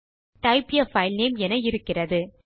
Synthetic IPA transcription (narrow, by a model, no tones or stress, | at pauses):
ʈɐɪpɪjɐfɐɪlneːmɛnɐɪɾɯkːɪrɐðɯ